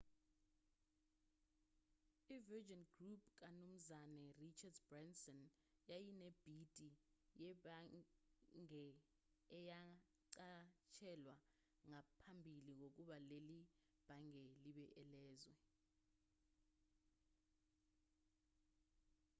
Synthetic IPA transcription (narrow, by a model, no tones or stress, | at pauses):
ivɛd͡ʒɔnɡrup̚ʰʼk̬ʼanum̩zanɛrit͡ʃʰadbrɛnsɔn | jajinɛb̥ʱitʼijɛɓa | ŋɛ | ɛja | ǀat͡ʃʰɛlwa | ŋapʰambʱiliŋok̬uɓaleli | b̥ʱaŋɛliɓɛʔɛlɛːzwɛ